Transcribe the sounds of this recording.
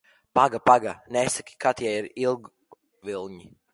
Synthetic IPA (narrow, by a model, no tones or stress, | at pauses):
paɡapaɡanɛsakʲi̥kat̪jajiɾilˠɡ | vilˠɲi